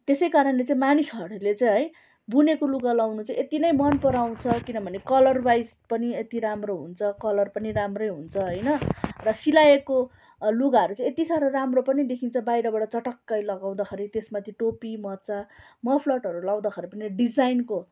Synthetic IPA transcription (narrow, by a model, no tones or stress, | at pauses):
t̪esʌjkaɾʌnlet͡sĩmanisʌɾulet͡saĩɦʌj | bunekoluɡalawnut͡saĩet̪inʌjmʌnpʌɾaw̃t͡sʰʌkinʌbʱʌnekʌlʌrbajspʌniet̪iɾamroɦunt͡sʰʌkʌlʌrpʌniɾamrʌjɦunt͡sʰʌɦʌjnʌrʌsilaeko | luɡaɦʌɾut͡saj̃et̪isaɾʌramropʌnid̪ekʰint͡sʰʌbajɾʌbaɽʌt͡sʌʈʌkːʌjlʌɡaw̃d̪akʰʌɾit̪esmat̪ʰiʈopimʌt͡sa | mʌpʰlʌʈɦʌɾulaw̃d̪akʰʌɾipʌniɖid͡zajnko